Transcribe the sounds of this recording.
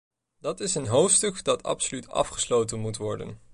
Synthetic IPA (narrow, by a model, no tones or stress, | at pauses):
dɑtɪsənɦowftstɵkdɑtʰɑ̰psolytɑ̰fχə̥slowtənmutʋɔɹdə̰n